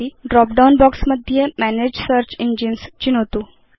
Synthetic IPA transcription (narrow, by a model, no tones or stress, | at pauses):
iːɖɾɔp̚ɖawnbɔksməd̪ʱjemæned͡ʑsəɾt͡ɕiɲd͡ʑinst͡ɕinɦot̪u